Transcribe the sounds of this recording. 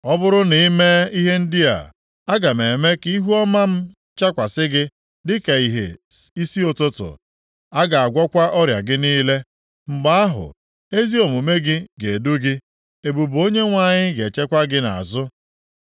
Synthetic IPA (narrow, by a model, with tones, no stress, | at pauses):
ɔ˦bʊ˦ɾʊ˦ni˨˦me˦i˦ɦe˦n̩˦di˦a̰˨ | a˦ɡa˨me˨me˦ki˦ɦu˦ɔ˦ma˦m̩˦ | t͡ʃa˦kʷa˨sɪ˦ɡɪ˦ | dɪ˦ke˨i˨ɦḛ˨i˦si˦o˨tʊ˦tʊ̰˨ | a˦ɡa˨a˨ɡʷɔ˦kʷa˦ʔɔ˦ɾja̰˨ɡɪ˦niː˦le˦ | ŋ͡m̩˨ɡ͡ba˦a˦ɦʊ̰˨ | e˦zi˦o˨mu˨me˦ɡɪ˦ɡe˨du˦ɡɪ˦ | e˨bu˨bo˦ɲe˦ŋʷa˦˨ɲɪ˦ɡe˨t͡ʃe˦kʷa˦ɡɪ˦na̰˨a̰˨zʊ˦